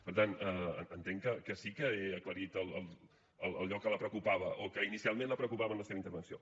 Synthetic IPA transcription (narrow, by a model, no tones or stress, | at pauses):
pəɾt̪anəə̰ənt̪eŋkəkəsikəeəkləɾit̪əlˠəlˠ | əlˠəlˠʎɔkːələpɾəkupaβəʔokəinisialˠmẽnləpɾəkupaβənləseβəint̪əɾβənsio